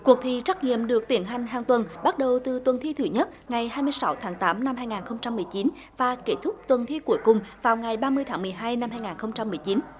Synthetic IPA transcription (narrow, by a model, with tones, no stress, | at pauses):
ku˨˩ək̚t̪ʰi˧˨˩t͡ɕa˦˥k̚ŋḭ˧˨əmɗɨ˨˩ək̚t̪i˧˩ənɦa˨˩jŋ̟ɦaː˨˩ŋt̪wə˨˩nɓa˦˥t̚ɗə˨˩wt̪ɨ˨˩t̪wə˨˩nt̪ʰi˧t̪ʰɨ˨˩ɲə˦˥t̚ŋa˨˩jhaː˧jmɨ˧əjsa˨˦wt̪ʰaː˨˦ŋt̪aː˨˦mna˧mhaː˧jŋaː˨˩nxə˧wŋ͡mt͡ɕa˧mː˨˩əjt͡ɕi˨˦n | vaː˨˩ke˦˧˥t̪ʰʊ˦˥k͡p̚t̪wə˨˩nt̪ʰi˧ku˧˩əjkʊ˨˩ŋ͡mvaː˨˩wŋa˨˩jɓaː˧mɨ˧əjt̪ʰaː˦ŋmɨ˨˩əjɦaː˧jna˧mhaː˧jŋaː˨˩nxə˧wŋ͡mt͡ɕa˧mːɨ˨˩əjt͡ɕi˨˦n